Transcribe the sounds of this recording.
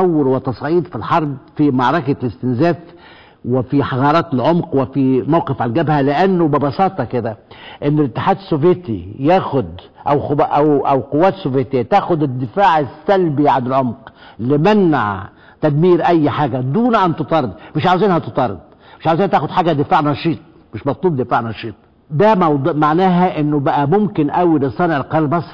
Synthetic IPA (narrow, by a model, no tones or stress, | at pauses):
awːɪɾwɪt̪ɑsˤʕiːd̪filħɑɾˤbfimɑʕɾˤɑkalɪst̪ɪnzæːf | wɪfiħɑɣɑːɾˤɑːt̪lʕomqwɪfimæwqɪfʕalɡæbhælɪʔænːʊbɪbɑsˤɑːt̪ˤɑkɪd̪æʔɪnːlɪt̪ːɪ̥ħaːd̪ɪsːovjet̪ḭjæːxʊd̪ | ʔæwxʔæwʔæwqowːæːt̪sːovjet̪ɪjːæt̪æːʔxʊd̪ɪd̪ːɪfaːʕɪsːælbiʕanɪlʕomqlɪmænːa̰ʕ | t̪æd̪miːɾʔæjːħaːɡæd̪uːnʔænt̪ot̪ˤɑɾˤd̪mɪʃʕawziːnhæt̪ɨt̪ˤɑɾˤd̪̚ˤ | mɪʃʕawziːnæt̪æːxʊd̪ħaːɡæd̪ɪfaːʕnɑʃiːt̪̚ˤ | mɪʃmɑt̪ˤluːb̚d̪ɪfaːʕnɑʃiːt̪ˤ | d̪æmɑwd̪maʕnæːɦæʔɪnːʊbæʔæmʊmkɪnʔæwilesˤːɑːnʕɪlqɑɾmɑsˤ